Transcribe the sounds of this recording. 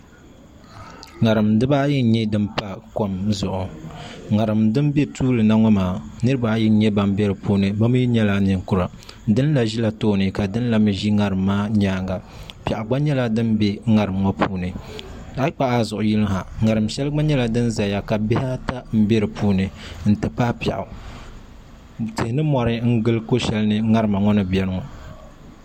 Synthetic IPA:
ŋa˨ɾɨ˨mdɨ˦baː˦jɛ˦ɲɛ˦dɨ˦mpa˦ko˦mzʊ˨ʔʊ˨ŋa˨ɾɨ˨mdɨ˦m˦be˦tuː˦lɨ˨na˦ŋɔ˦maː˨nɨ˦ɾɨ˦ba˨˦jɛ˦ɲɛ˦ba˨m˦be˦ɾɨ˨puː˦nɨ˨ba˦mɨ˦i˦ɲɛ˦la˦nɨ˨ŋkʊ˨ɾa˨ | dɨ˦n˦la˨ʒi˦la˨toː˦˨nɨ˨ka˨dɨ˦n˦la˨mɨ˨ʒi˦ŋa˨ɾɨ˨mːaː˦ɲaː˦ŋɡa˨ | pi˨ʔʊ˨ɡ͡ba˦ɲɛ˦la˦dɨ˦nbɛ˦ŋa˨ɾɨ˨mŋɔ˦pʰuː˦nɨ˨ | a˦k͡pa˦ʔa˦zʊ˨ʔʊ˨ji˦lɨ˦ŋha˨ŋa˨ɾɨ˨mʃɛ˦lɡ͡ba˦ɲɛ˦la˨dɨ˦nza˨ja˨ka˨bɪ˦ha˦ta˦m̩˦be˦ɾɨ˨pʰuː˦nɨ˨n̩˨tɨ˨pa˦pa˨ʔʊ˨ | tɨ˨hɪ˨nɨ˦mɔ˨ɾɨ˦ŋ̩˦ɡɨ˦lko˦ʃɛ˦lɨ˦nɨ˦ŋa˦ɾɨ˨ma˨ŋɔ˦nɨ˨bɛ˦nɨ˦ŋɔ˨

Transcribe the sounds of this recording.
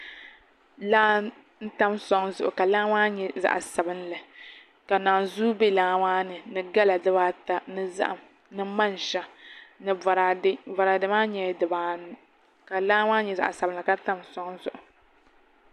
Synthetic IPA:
laː˦ | n̩˦ta˦msɔ˦ŋ˦zʊ˨ʔʊ˨ka˨laː˦ŋaː˦ɲɛ˨za̰˨ʔa˨sa˨bɨ˦nlɨ˨ | ka˨naː˨zu˦be˦laː˦waː˦nɨ˨nɨ˨ɡa˦la˨dɨ˦baː˦ta˨nɨ˦za̰˦ʔa˨m | nɨ˦ma˦n˨ʃa˦˨nɨ˨a˨ɾa˨ɪ˦va˨ɾa˨dɨ˦maː˦ɲɛ˨˦dɨ˨baː˨˦nɨ˨ | ka˨laː˦waː˦ɲɛ˨za̰˨ʔsa˨bnla˨ka˦n˦ta˦msɔ˦ŋzʊ˨ʔʊ˨

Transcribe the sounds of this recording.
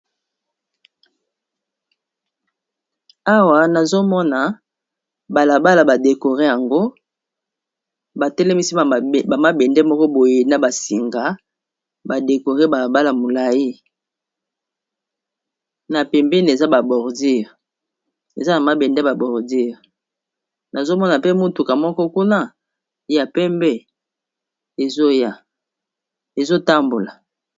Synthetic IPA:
a˦wa˨na˨zo˦mɔ˦na˨ | ba˨la˨ba˦la˨ba˨de˨ko˨ʁe˦ja˨ŋɡo˦ | ba˨tɛ˦lɛ˦mi˦si˦˨a˨ma˦bɛ˨ndɛ˦mɔ˦kɔ˦bo˨je˨na˨ba˨si˨ŋɡa˨˦ | ba˨de˨ko˨ʁe˦ba˨la˨ba˦la˨mo˨la˨ji˦ | na˨pɛ˨mbɛ˦n˨e˨za˦ba˨bɔ˨ʁdi˦ʁ | ḛ˨za˦na˨ma˨bɛ˨ndɛ˦ba˨bɔ˨ʁdi˦ʁ | na˨zo˦mɔ˦na˨pe˦mo˦tu˨ka˨mɔ˦kɔ˦ku˦na˦ | ja˨pɛ˦mbɛ˦ | e˨zo˦ja˦ | e˨zo˦ta˦mbo˨la˨

